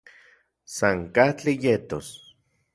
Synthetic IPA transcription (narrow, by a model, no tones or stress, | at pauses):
saŋkaht͡ɬijet̪os